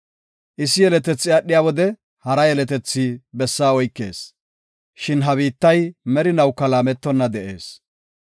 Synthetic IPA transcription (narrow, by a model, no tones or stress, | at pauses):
ʔɪsːɪjɛlɛt̪ɛt͡sːɪɐɗːɪjaːwɔd̪ɛ | hɐɾɐjɛlɛt̪ɛt͡sːiːbɛsːaːɔjkːeːs | ʃɪnɦɐβiːt̪ːɐjmɛɾɪnɐwkːɐlaːmɛt̪ːɔnːɐd̪ɛʔe̞ːs